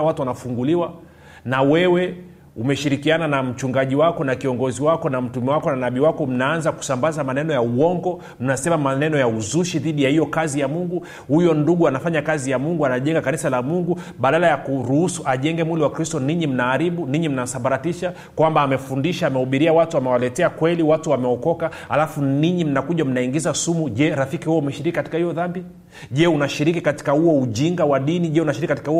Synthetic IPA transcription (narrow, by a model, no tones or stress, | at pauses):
watuwanafuŋɡuliwa | nawɛwɛ | umɛʃiɾikiananam̩t͡ʃuŋɡaʄiwakɔnakiɔŋɡɔziwakɔnam̩tumɛwakɔnanaɓiwakɔm̩naanzaku̥sambazamanɛnɔjauwɔŋɡɔ | m̩nasɛmamanɛnɔjauzuʃiðiɗijahijɔkazijamuŋɡu | hujɔnduɠuanafaɲakazijamuŋɡuanaʄɛŋɡakanisalamuŋɡu | ɓaɗalajakuɾuhusuʔaʄɛŋɡɛmwiliwakɾistɔniɲim̩naːɾiɓuniɲim̩nasambaɾatiʃa | kwambaːmɛfundiʃaːmɛhuɓiɾiawatuamɛwalɛtɛakwɛliwatuwamɛɔkɔka | ha̰lafuniɲim̩nakuʄam̩naiŋɡizasumuʄɛɾafikihuɔumɛʃiɾikikati̥kahijɔðambi | ʄɛunaʃiɾikikati̥kahuɔuʄiŋɡawaɗiniʄɛunaʃiɾikikatikahu